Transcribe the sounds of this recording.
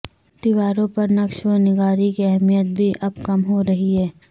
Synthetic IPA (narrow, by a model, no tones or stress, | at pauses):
d̪̥ɪʋaːɾõpɐɾnɐkʃonɪɡaːɾikiɛɦmijət̪̚bʱiʔɐbkɐmɦoɾɐɦiɦɛː